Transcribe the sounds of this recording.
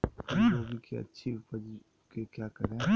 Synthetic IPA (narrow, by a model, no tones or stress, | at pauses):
ʋobʱikeɐ̰tːʃʰifɐd͡ʒ | kekjaːkɐɾẽ